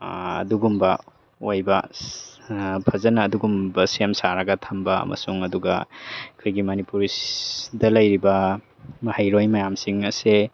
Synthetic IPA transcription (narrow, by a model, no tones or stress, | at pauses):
ɐ̰duɡumbɐ | ojbɐ | pʰɐzɐnɐːduɡumbɐsiemsaɾɐɡɐtʰɐmbɐɐ̰mɐ̰suŋɐduɡɐ̰kʰojɡimɐnipuɾidɐlɐjɾibɐ | mɐhajɾojmɐjamsiŋɐse